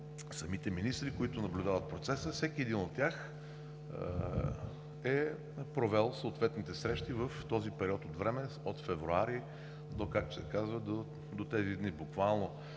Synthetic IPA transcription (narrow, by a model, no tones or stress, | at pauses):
sɐmit̪ɛminist̪ɾikoit̪ʊnɐblʲud̪avət̪̚pɾot̪sɛsəfsɛkiɛd̪inot̪ːʲjax | ɛ | pɾovɛlˠsoot̪vɛt̪nit̪ɛsɾɛʃt̪ivəft̪ɔzipɛɾiɔt̪ot̪vɾɛmɛ | ot̪fɛvɾuaɾi | d̪okak̚t̪osɛkazvəd̪o | d̪ot̪ɛzid̪nibʊkvalˠno